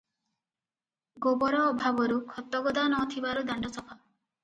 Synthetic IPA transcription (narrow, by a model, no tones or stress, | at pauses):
ɡobɔɾɔːbʱabɔɾukʰɔt̪ːɔɡɔd̪anɔt̪ʰibaɾud̪aɳɖɔsɔpʰa